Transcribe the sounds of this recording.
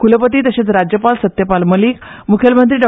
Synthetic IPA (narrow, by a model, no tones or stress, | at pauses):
kuləpət̪iːt̪əɕet͡sɾad͡ʑjəpalsət̪jəpalməliːkmukʰjelmənt̪ɾiːɖɔ